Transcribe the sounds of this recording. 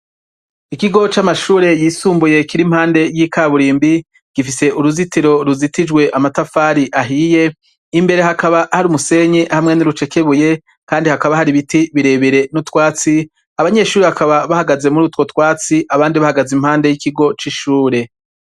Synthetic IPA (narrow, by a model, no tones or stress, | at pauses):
ikiɡo̞t͡ʃamaʃuːɾe̞jiːsuːmbuje̞kiɾim̥haːnde̞jiːkaːβuɾiːmbi | ɡ̥ifise̞ʔuɾuzitiɾo̞ɾuzitid͡ʒɡwe̞ʔamatafaːɾiʔaɦije̞ː | mbe̞ɾe̞ɦakaβahaɾumuse̞ɲiʔhamŋe̞niɾut͡ʃe̞ke̞βuje̞ | kaːndihakaβahaɾiβitiβiɾe̞βeɾe̞nutwaːt͡si | aβaɲe̞ʃuːɾiβakaβaβahaɡaze̞muɾutwo̞twaːt͡siʔaβaːndiβahaɡazimhaːnde̞jikiɡo̞t͡ʃiʃuːɾe̞